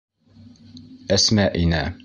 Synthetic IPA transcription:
æsmæʔinæ

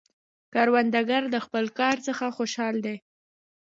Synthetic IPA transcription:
kɑɾwand̪aɡaɾd̪əxpəlkɑɾt͡səxaxoʃɑld̪e

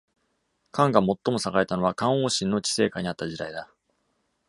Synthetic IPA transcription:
kãŋɡamo̞t̪ːo̞mo̞saɡaet̪ano̞β̞akãɰ̃oːɕĩnːo̞t͡ɕi̥se̞ːkaɲ̟iat̪ːad͡ʑid̪aid̪a

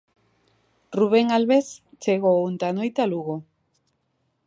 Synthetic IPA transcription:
ruβ̞eŋalβest͡ʃeɣount̪anojt̪aluɣo

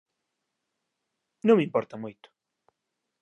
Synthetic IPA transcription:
nõŋmĩmpɔɾt̪ɐmojt̪ʊ̥

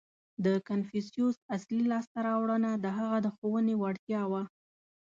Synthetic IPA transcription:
d̪əkanfisjusaslilɑst̪aɾɑwɽənad̪əɦaɣad̪əxowənewaɽt̪jɑwa

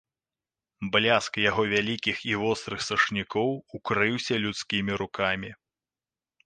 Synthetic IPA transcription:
blʲaskjaɣɔvʲalʲikʲixivɔst̪ɾɨxsɐʂnʲikɔwukɾɨwsʲɐlʲut̪skʲimʲiɾukamʲi

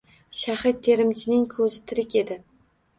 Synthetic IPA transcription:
ʃahɪt̪ʰːe̞ɾɪmt͡ʃʰɪnɪŋkʰɵzɪt̪ʰɪɾɪkʲe̞d̪ɪ

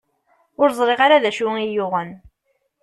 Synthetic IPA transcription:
ʊɾzˤɾˤeʁaɾaðæʃuŋijʊʁən

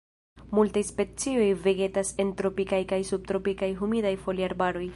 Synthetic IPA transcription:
multajspe̞t͡sio̞jve̞ɡe̞tase̞ntɾo̞pikajkajsub̚t̪ɾo̞pikajɦumidajfo̞liaɾbaɾo̞j

